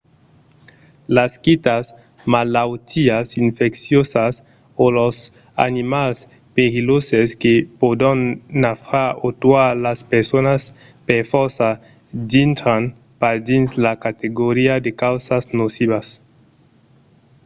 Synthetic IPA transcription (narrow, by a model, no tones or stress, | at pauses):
laskit̪as | malawt̪ʰiasiɱfeksjosas | olos | a̰nimals | peɣiloseskepod̪anːafɾaot̪waɾlaspeɾsonas | peɾfɔɾsa | d̪int̪ɾan | paɾd̪inslakat̪eɡoɾiad̪ekawsasnosiβas